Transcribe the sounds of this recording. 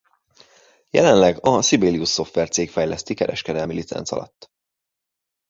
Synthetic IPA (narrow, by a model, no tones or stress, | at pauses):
jɛ̰lɛnlɛɡɒsibeːliusːo̞ft̪ʋɛrt̪seːkfɛjlɛst̪ikɛɾɛʃkɛd̪ɛlmilit̪sɛ̰nsɒ̰lɒ̰t̪ː